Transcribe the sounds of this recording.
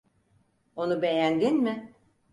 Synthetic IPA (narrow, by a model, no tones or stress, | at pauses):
onubejænɟinmɪ